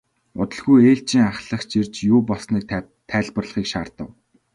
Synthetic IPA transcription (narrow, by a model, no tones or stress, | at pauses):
ʊt̪ə̆ɮɣujeːɬt͡ɕiːŋaχɮə̆χt͡ɕirt͡ɕjuːpɔɮsniːk̚ | t̪ʰæːɮpə̆rɮə̆χiːkʃaːrt̪ə̆w